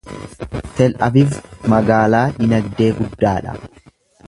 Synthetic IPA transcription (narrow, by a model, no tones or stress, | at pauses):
t̪ɛlʔɐ̰bɪfmɐɡaːlaːdɪnɐd̪ːe̞ːɡʊd̪ːaːᶑɐ̰